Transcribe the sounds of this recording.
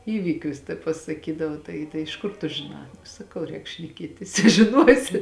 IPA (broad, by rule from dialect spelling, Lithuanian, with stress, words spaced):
ˈiːʋʲiːkʲʊs tɐ pɐsɐˈkʲiːdɐʋɐ ˈtɐɪ tɐɪ ɪʃ ˈkʊr tʊ ʒʲɪˈnɑː sɐˈkɐʊ ˈrʲɛːk ʃʲnʲɛˈkʲiɛtʲɪs ɪ ʒʲɪˈnuɔsʲɪ